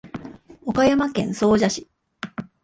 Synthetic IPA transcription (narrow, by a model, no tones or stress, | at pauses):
o̞kajamakẽ̞̰ɰ̃so̞ːʑaɕi̥